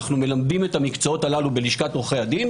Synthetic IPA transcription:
χnume̞lamdime̞tamikt͡soo̞t̪alalubeliʃkatʁoχead̪in

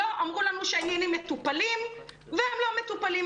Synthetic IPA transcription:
oʔamʁulanuʃeenjanimːet̪upalim | veemlo̞me̞t̪upali

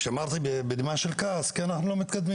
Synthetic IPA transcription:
ʃeamaʁt̪ibebed̪maʃelkaskianaχnulo̞mit̪kad̪mi

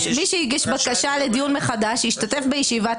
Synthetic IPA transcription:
miʃeiɡiʃbakaʃaled̪ijunmeχad̪aʃiʃtate̞fbejeʃiva

